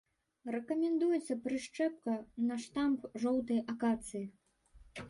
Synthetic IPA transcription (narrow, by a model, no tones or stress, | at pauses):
rɛkɐmʲɛnd̪ujɛt̪sːɐpɾɨʂt͡ʂɛp̚kɐnɐʂt̪ampʐɔwt̪ɐjʔɐkat̪sɨji